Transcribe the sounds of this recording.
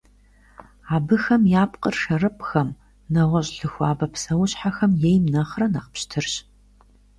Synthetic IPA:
aːbɨxɐmjaːpqʼərʂɐrɨpʼxɐm | nɐʁʷɐɕʼɬɨxʷaːbɐpʰsɐwɕħaxɐmjejmnɐχrɐnɐqpɕtʰɨrɕ

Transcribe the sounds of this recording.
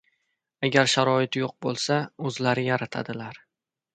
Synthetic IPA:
aɡʲaɾʃaɾɒɪt̪joq̚bolˠsaɵzlaɾɪjaɾat̪ʰa̰d̪ɪlaɾ

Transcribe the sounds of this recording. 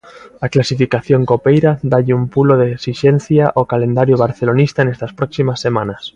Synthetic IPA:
aklasifikaθjoŋkopejɾaðaʎɪumpuloðeeksiʃen̟θjaʔokalend̪aɾjoβ̞aɾθelonist̪anest̪aspɾɔksimasːemãnas

